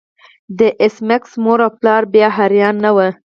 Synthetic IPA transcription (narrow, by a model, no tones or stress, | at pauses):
d̪əʔɪsmɪksmoɾaplɑɾbjɑɦaɾjɑnːawə